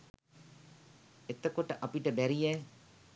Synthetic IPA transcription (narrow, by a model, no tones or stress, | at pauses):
et̪ɐkoʈɐʔɐpiʈɐbɛɾijɛː